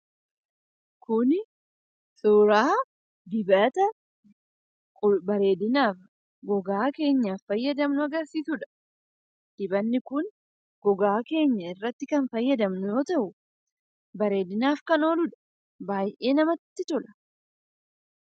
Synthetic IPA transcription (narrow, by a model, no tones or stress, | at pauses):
kʊnɪ | sʊːɾaː | d̪ɪbɐt̪ɐ | bɐɾe̞ːd̪ɪnaːf | ɡɔɡaːke̞ːɲːaːfːɐjːɐd̪ɐmnʊɐɡɐɾsiːsʊᶑɐ̥ | d̪̥ɪbɐnːɪkʊn | ɡ̥ɔɡaːke̞ːɲːɐɪrːɐt̪ːɪkɐnfɐjːɐd̪ɐmnʊjoːt̪ɐʔʊ | bɐɾe̞ːd̪ɪnaːfkɐno̞ːlʊᶑɐ̥ | baːjʔe̞ːnɐmɐt̪ːɪt̪ɔlɐ̥